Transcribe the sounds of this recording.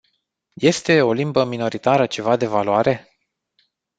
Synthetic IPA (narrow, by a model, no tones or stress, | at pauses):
je̞st̪e̞o̞limbəmino̞ɾit̪aɾət͡ʃe̞vad̪e̞valwaɾe̞